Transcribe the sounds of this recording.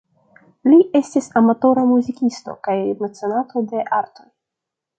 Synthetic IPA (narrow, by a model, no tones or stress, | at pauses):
liʔe̞stʲisamat̪o̞ɾamuzikʲist̪o̞̰kajmet͡senat̪od̪e̞ʔaɾt̪o̞j